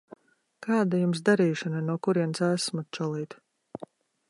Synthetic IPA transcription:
kɑːd̪ajums̬d̪aɾiːʃananuɔkuɾiɛnsæsmɔt͡ʃɔlˠiːt̪

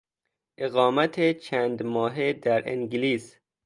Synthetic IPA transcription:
ʔeɣɒːmæt̪ʰet͡ʃʰæːnd̪mɒːɦed̪æɾḭŋɡliːs

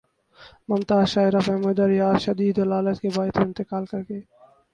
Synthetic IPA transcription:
mɐmt̪aːʃaːɪɾafɛmʊd̪əɾjaːʃɐd̪iːd̪əlaːlət̪kebaːjt̪oɪ̃nt̪ɪkaːlkɐɾkeː

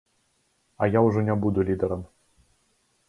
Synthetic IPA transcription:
ɐjawʐɔnʲɛbud̪ʊlʲid̪ɐɾɐm

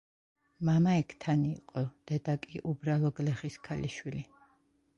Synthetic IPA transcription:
mamaɛkʰt̪ʰaniːqʼɔd̪̥ɛd̪akʼiʔubɾalˠɔɡlɛχiskʰaliʃwili

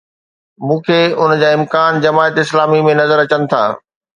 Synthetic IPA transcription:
mũːkʰeʊnəd͡ʑaːɪ̃mkaːnd͡ʑɐmaːət̪ɪslaːmimẽnɐzəɾɐt͡ɕənɪ̆t̪ʰa̰ː

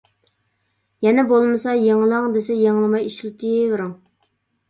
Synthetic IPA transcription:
jɛnɛbolˠmɨsɑjeŋlˠɑŋd̪esɛjeŋlˠɨmɑjiʃlt̪ʰivɪɾuŋ

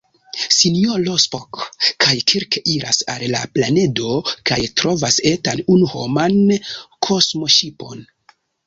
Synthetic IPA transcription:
sinijolospokkʰajkʰiɾkeʔiɾa̰sa̰llaplane̞do̞kajtɾo̞vasetanunuho̞̰mankʰo̞smo̞ʃipo̞n

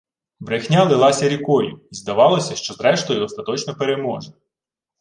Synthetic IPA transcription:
bɾexnʲalˠɪlˠɑsʲɐɾʲikɔjʊ̰izd̪ɐʋɑlˠɔsʲɐʃt͡ʃɔzɾɛʃt̪ɔjʊd̪ɔst̪ɐt̪ɔt͡ʃnɔpeɾemɔʒɛ

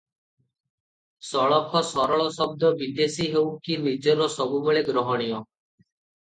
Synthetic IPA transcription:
sɔɭɔpʰɔsɔɾɔɭɔsɔb̚d̪ɔbid̪esiɦewkinid͡ʒɔɾɔsɔbubeɭeɡɾɔɦɔɽ̃ijɔ

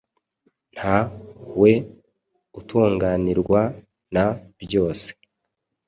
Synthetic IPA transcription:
n̥hawe̞ | utʰuːŋɡaniɾɡwa | nabjo̞ːse̥

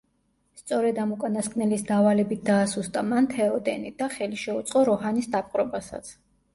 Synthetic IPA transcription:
st̪sʼɔɾɛd̪amukʼanaskʼnɛlisd̪avalɛbit̪̚ʰd̪aːsust̪ʼamant̪ʰɛɔd̪ɛnid̪aχɛliʃɛut̪sʼqʼɔɾɔɦanisd̪ap̚ʼqʼɾɔbasa̰t̪sʰ

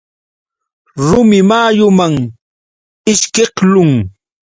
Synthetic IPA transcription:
ɾʊmɪmaːjʊmaŋ | ɪʃkeqlʊŋ

